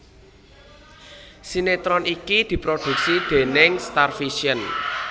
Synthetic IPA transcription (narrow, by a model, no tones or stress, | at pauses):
sinet̪ɾɔnikid̪̥i̤pɾod̪̥ṳk̚sid̪̥e̤nɪŋst̪arfiʃiən